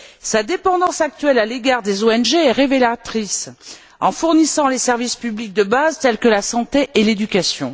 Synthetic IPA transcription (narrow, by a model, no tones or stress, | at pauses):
sad̪epɑ̃d̪ɑ̃sak̚t̪ɥɛlaleɡaʁd̪ezoɛnʒeɛʁevelat̪χis | ɑ̃fuʁnisɑ̃lesɛʁvispyblik̚d̪əbazt̪ɛlkəlasɑ̃t̪eʔeled̪ykasjɔ̰̃